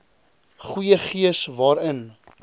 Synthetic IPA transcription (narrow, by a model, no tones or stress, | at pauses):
χujəχiəsvɑːɾən